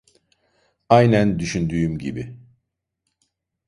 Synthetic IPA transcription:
ajnænd̪yʃynd̪yːymɟibi

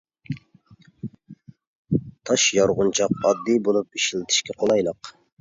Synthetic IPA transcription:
t̪ʰɑʃjɑɾʁʊnt͡ʃʰɑqɑd̪ːibolˠupiʃilɪt̪ʰɪ̥ʃkʲɛqʰolˠɑjlˠəq

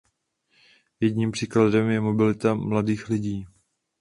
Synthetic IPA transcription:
jɛɟɲiːmpr̝̥iːkladɛmjɛmo̞bɪlɪt̪amladiːxlɪɟiː

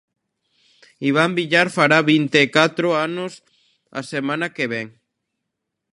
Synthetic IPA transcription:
iβ̞ambiʎaɾfaɾaβint̪eːkat̪ɾoanʊs | a̰semãnakeβɛŋ

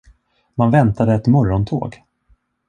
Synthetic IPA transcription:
manvɛnt̪ad̪əɛt̪mɔɾɔnt̪ʰo̰ːɡ

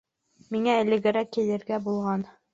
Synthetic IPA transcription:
miŋæɘ̆lɘ̆ɡɘ̆ɾækːĭj̪ɘ̆ɾɡæbulˠʁɑn

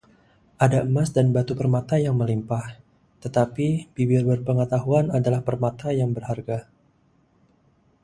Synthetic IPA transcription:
ʔadaəmasdanbat̪upərmat̪ajaŋməlimpah | t̪ət̪apib̥ibɪrbərpəŋət̪aɦuanadalahpərmat̪ajaŋbərharɡa

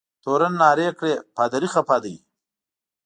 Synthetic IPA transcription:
t̪oːɾɐnːaːɾeːkɽeːpaːd̪ɐɾixapaːd̪əj

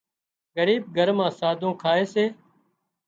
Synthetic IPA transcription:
ɡəɾiːb̚ɡʱəɾmãːsaːd̪ʱõːkʰaːeːseː

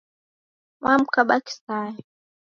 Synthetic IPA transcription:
wam̩kaɓaki̥saːjɛ

